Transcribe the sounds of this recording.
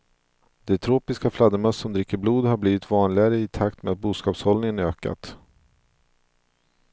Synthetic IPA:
d̪̥ɛt̪ʰɾoːpɪskaflad̪əmœssɔmd̪ɾɪkːəɾbluːd̪ɦaɾbliːvɪt̪vɑːnlɪɡaɾəɪt̪ʰakt̪meat̪̚buːskɑːpshɔlnɪŋənøːka̰t̪

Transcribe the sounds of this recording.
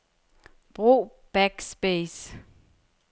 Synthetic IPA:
b̥ʁṵː | b̥æɡ̥sb̥es

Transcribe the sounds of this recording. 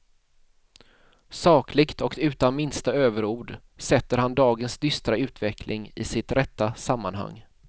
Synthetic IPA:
sɑːkʰlɪɡt̪ɔkʉ̟ːt̪anmɪnst̪aøːvəɾuːɖ | sɛt̪ːəɾhand̪ɑːɡənsd̪ʏst̪ɾaʉ̟ːt̪vɛkʰlʔɪŋɪ̰sɪt̪ɾɛt̪ːasamːanɦa̰ŋː

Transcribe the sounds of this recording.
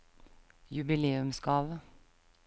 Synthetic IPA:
jʉbɪleːʉmskɑːʋə

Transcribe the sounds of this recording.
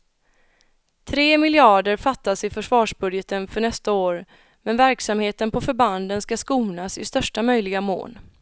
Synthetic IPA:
t̪ʰɾeːmɪlɪɑːɖəɾfat̪ːasɪfœʂvɑːʂbɵd̪jət̪ənfœɳɛst̪aoːɾ | mɛnvæɾksamheːt̪ənpʰɔfœɾband̪ənskaskuːnasɪst̪œʂʈamœjlɪɡamo̰ːn

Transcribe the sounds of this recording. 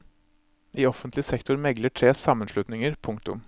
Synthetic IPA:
iːɔfənt̪lɪsɛkt̪ʊɾmɛɡləʈʰɾeːsɑmːənʂlʉt̪nɪŋəɾpʰʊŋkt̪ʊ̰m

